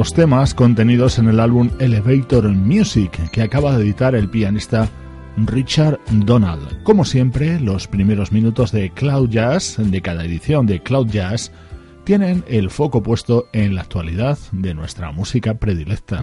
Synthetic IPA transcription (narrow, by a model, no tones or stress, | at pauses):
lo̞st̪e̞masko̞nt̪e̞nið̞o̞se̞ne̞lalβume̞le̞βejt̪o̞ɾmjusikːeakaβaðe̞ðit̪aɾe̞lpianist̪a | rit͡ʃaɾd̪o̞na̰ld̪ko̞mo̞sje̞mpɾe̞lo̞spɾime̞ɾo̞zmĩnut̪o̞zðe̞klawʝasd̪e̞kaðae̞ðiθjo̞nd̪eklawðʝas | t̪je̞ne̞ne̞lfo̞ko̞pwe̞st̪o̞e̞nlaːk̚t̪waliðaðd̪e̞nwe̞st̪ɾa̰musikapɾe̞ðile̞k̚t̪a